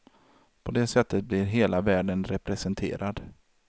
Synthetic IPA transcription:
pʰɔd̪ɛsɛt̪ʰːət̪̚blɪɾɦeːlavæːɖənɾɛpɾɛsɛnt̪ʰḛːɾʔad̪

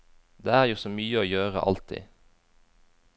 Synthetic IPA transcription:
d̪eːæːʁjuːsoːmyːəoːjøːʁə̰ʔɑ̰lt̪ʰḭː

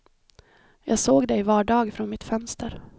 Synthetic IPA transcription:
jɑːɡsoːɡd̪ɛjvɑːɖɑːɡfɾɔnmɪt̪fœnst̪ʰəɾ

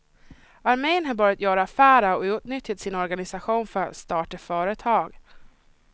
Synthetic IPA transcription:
aɾmejnɦaɾbɑːɾjat̪jœːɾafæːɾaɔjuʈnʏt̪jat̪sɪnɔɾɡanɪsaɧuːnfœɾa̰t̪st̪ɑːʈəfœːɾət̪ʰɑːɡ

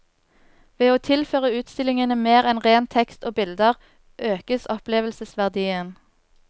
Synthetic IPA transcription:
ʋeːoːt̪ʰɪlføːʁəʉːt̪st̪ɪlɪŋənəmeːʁɛnʁeːnt̪ʰɛkst̪oːbɪld̪əʁ | ʔøːkəsɔpleːʋəlsəsʋæʁd̪iːən

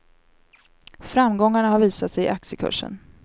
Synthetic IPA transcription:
fɾamɡɔŋːaɳaɦaɾviːsat̪sɛjɪ̰ʔaksjəkʰɵ̰ʂːə̰n

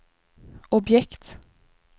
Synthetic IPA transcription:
ɔbjɛkt̪

